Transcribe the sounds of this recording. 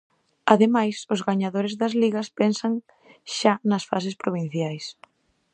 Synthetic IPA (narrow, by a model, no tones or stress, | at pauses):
ɐðemajsʊzɣaɲaðoɾezðɐzliɣɐspɛnsɐŋ | ʃanɐsfas̬ɪspɾoβ̞in̟θjajs